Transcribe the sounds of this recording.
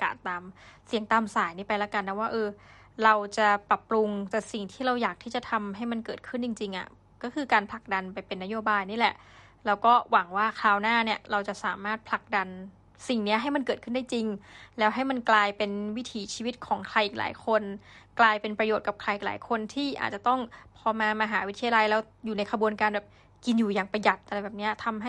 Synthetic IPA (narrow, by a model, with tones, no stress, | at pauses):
ka̰ː˨˩t̪ːaː˧msi˨˩˦əŋt̪aː˧msaː˩˦jniː˦˥˩pa˧jla˦˥ka˧nː˧˦˥waː˥˩ʔɤː˧ | ɾa˧wt͡ɕa˨˩pɾa˨˩pːɾu˧ŋt̪ɛː˨˩si˨˩ŋt̪ʰiː˥˩ɾa˧wjaː˨˩k̚t̪ʰiː˥˩t͡ɕa˨˩t̪ʰa˧mɦa˥˩jma˧nkɤː˨˩t̪̚kʰɯ˥˩nt͡ɕi˧ŋt͡ɕi˧ŋʔa̰˨˩ | kɔː˥˩kʰɯː˧kaː˧npʰla˨˩k̚da˧npa˧jpe˧nːa˦˥joː˧baː˧jniː˥˩lɛ˨˩ʔ | ɾa˧wkɔː˥˩wa˩˦ŋwaː˥˩kʰlaː˧wnaː˥˩ni˥˩ɐɾa˧wt͡ɕa˨˩ʔsaː˩˦maː˥˩t̪̚pʰla˨˩k̚da˧n | si˨˩ŋni˦˥ɐɦa˥˩jma˧nkɤː˨˩t̪̚kʰɯ˥˩daː˥˩jt͡ɕi˧ŋlɛː˦˥wɦa˥˩jma˧nklaː˧jpe˧nwi˦˥t̪ʰiː˩˦t͡ɕʰiː˧wi˦˥t̪̚kʰɔː˩˦ŋkʰɾa˧jʔiː˨˩la̰ː˩˦jkʰo˧nklaː˧jpe˧npɾa˧joː˨˩t̪̚ka˨˩p̚kʰɾa˧jʔiː˨˩la̰ː˩˦jkʰo˧nt̪ʰiː˥˩ʔa̰ː˨˩t̪̚t͡ɕa˨˩t̪ɔ˥˩ŋpʰɔː˧maː˧maː˧ɦaː˩˦wi˦˥t̪ʰi˧ja˧la˧jlɛː˦˥w | juː˨˩na˧jkʰa˧bu˧ənkaː˧nbɛː˨˩p̚ | ki˧njuː˨˩jaː˨˩ŋpa˧ja˨˩t̪̚ʔa˧ɾa˧jbɛː˨˩p̚ni˦˥ɐt̪ʰa˧mɦa˥˩